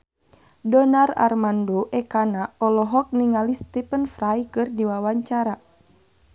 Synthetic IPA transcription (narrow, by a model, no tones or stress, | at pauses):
dɔnara̰rmandoʔɛkanaɔlɔɦɔk̚niŋalist̪ipənfɾajkɨrdiwawaɲt͡ʃaɾa